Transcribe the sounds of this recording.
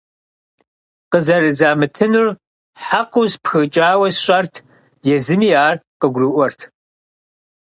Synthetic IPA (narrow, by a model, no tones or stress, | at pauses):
qəzɐrɨzaːmɨtʰɨnur | ħaqʷʊspxɨt͡ʃʼaːwɐsɕʼɐrtʰ | jɛzɨmiːaːrqəɡʷrɨʔʷɔrtʰ